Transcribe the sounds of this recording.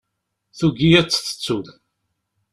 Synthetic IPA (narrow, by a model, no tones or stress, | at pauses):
θuɡiæt͡sːθə̥t͡sːuð